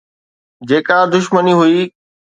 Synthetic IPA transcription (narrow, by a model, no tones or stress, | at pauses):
d͡ʑeːkad̪ʊʃməniɦʊi